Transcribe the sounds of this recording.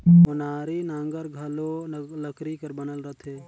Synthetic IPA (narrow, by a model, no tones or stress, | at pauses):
ʊnaːɾinãŋɡəɾɡʱɐloləkɾikəɾbɐnəlɾət̪ʰeː